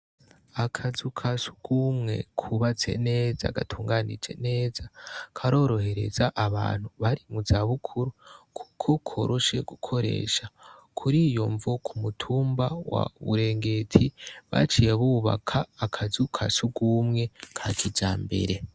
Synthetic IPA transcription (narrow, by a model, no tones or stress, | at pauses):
akʰazukʰasu̥ɡ̥umŋe̞̰kʰuβat͡se̞̰ne̞ːza̰ɡa̰tʰuːŋɡaːnḭd͡ʒe̞̰ne̞ːzakʰaɾo̞ːɾo̞he̞ɾe̞̰zaʔaβa̰ːn̥huβaɾimuzaβukʰuɾukʰu̥kʰo̞kʰo̞ɾoʃe̞ɡ̥ukʰo̞ɾe̞̰ːʃakʰuɾijoɱvokʰumutʰuːmbawa̰βṵɾe̞ːŋɡe̞tʰiβa̰t͡ʃijeβuːβa̰kʰaːkʰazukʰasuɡumŋe̞kʰakʰid͡ʒaːmbe̞̰ɾe̞